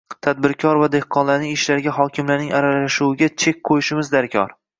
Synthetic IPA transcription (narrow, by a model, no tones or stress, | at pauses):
t̪ʰad̪̚bɪɾkʲʰɒɾvad̪e̞hqʰɒnlaɾnɪŋɪʃlaɾɡʲaɦɒkʲʰɪmlaɾnɪŋaɾalaʃuwɪɡʲat͡ʃʰe̞k̚ʲqʰojɪʃɪmɪzd̪aɾkʲʰɒ̰ɾ